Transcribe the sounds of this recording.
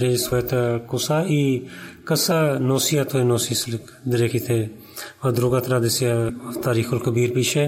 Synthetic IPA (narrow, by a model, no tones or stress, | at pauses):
ɾeːd͡ʒɪsɐjt̪ʰakʊsaːiːkəsaːnoːsijaːt̪ʰoenoːsiːslk | d̪əɾeːkʰit̪ʰe | ɐd̪ɾoːɡaːt̪ɾaːd̪ɪsjat̪aːɾiːxʊlkəbiːɾpit͡ʃʰe